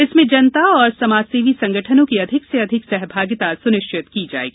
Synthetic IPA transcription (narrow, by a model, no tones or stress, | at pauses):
ɪsmẽd͡ʒɐnt̪aɔːɾsɐmaːd͡ʒseːʋisɐ̃ŋɡəʈʰənõkiɐd̪ʱɪkseɐd̪ʱɪksɛɦbʱaːɡɪt̪asʊnɪʃt͡ʃʰɪt̪kid͡ʒa̰ːḛːɡiː